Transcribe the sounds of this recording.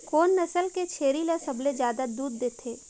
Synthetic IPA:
koːnːɐsəlket͡ʃʰeːɾilesɐbled͡ʒjaːd̪ad̪uːd̪ːeːt̪ʰeː

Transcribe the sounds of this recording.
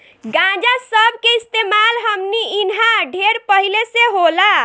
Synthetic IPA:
ɡãd͡ʒasəbʱkeist̪emalɦəmniinɦaɖʱeɾpəɦileseɦola

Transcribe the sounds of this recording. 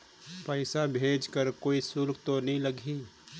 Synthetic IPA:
pəɪsabʱeːd͡ʒkəɾkoːisʊlkʰt̪onɐɦĩləɡʱi

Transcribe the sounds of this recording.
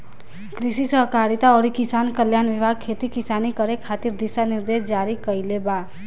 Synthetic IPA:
kɾisisəɦkaɾit̪aɔɾikisankəljanʋibʱaɡ̚kʰet̪ikisanikəɾekʰat̪iɾd̪isaniɾd̪esd͡ʒaɾikəjleba

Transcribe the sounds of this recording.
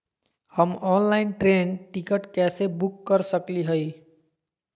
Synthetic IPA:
həmɔnlaɪnʈɾenʈikəʈkɛsebukːəɾsəkliɦəi

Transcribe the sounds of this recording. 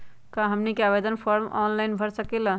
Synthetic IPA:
kãɦəmnikeabed̪ənpʰoɾmɔ̰nlaɪnbʱəɾsəkelə

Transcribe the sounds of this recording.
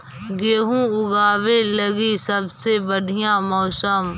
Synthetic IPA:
ɡeːɦũʊɡaːwelɐɡisəbsebəɖʱijãmɔːsəm

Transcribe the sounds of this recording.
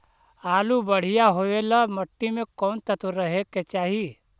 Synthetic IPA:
aːlubəɽ̤ijaɦoelaməʈːimẽkɔːnt̪ət̪uɾəɦeket͡ʃaːɦi

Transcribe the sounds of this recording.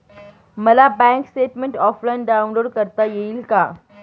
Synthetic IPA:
məlabɛ̃ŋksʈeʈmeɳʈɔflaɳɖaunloɽkəɾt̪ajeilka

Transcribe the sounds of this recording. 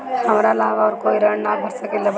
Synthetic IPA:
hɐmɾalaːʋaɔːɾkoːiɾəɳnaːbʱɐɾsakeleb

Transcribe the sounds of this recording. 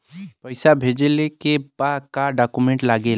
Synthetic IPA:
pəɪsabʱeːd͡ʒlekebad̪kaɖaːkumẽɳʈlaɡe

